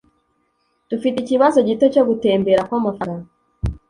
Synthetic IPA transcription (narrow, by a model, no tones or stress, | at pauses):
d̥ufiticiβazo̞ɟite̞co̞ɡute̞ːmbe̞ɾakwamafaɾa